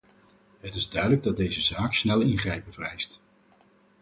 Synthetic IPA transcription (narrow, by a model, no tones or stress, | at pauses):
ɦətɪzdœɥdələɡ̚dɑd̚dejzəzaːksnɛlˠɪnχrɛjpəvərɛjst